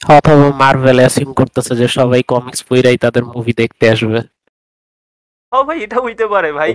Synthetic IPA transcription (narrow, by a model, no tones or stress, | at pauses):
hɔt̪ʰabomaɾvelasimkoɾt̪asʰed͡ʑeʃɔβajkɔmiksfojɾajt̪ad̪eɾmuvʱid̪ek̚ʰt̪eaʃbe | ɦɔbʱajeʈaujt̪epaɾebʱaj